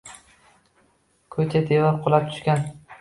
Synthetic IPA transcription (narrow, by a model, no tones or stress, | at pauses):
kʰɵt͡ʃʰad̪evaɾqʰolˠap̚t̪ʰʊ̥ʃkʲan